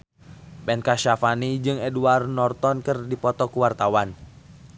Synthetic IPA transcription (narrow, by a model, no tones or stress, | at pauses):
bɛnkaʃafanid͡ʒɨŋɛduarnɔrt̪ɔnkɨrdipɔt̪ɔkuwart̪awan